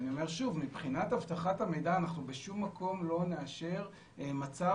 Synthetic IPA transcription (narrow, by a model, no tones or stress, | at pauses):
nio̞me̞ʁʃuvmibχinat̪havt̪aχathame̞jdaːnaχnubeʃumːakʰo̞mlo̞neaʃe̞ʁ | mat͡sa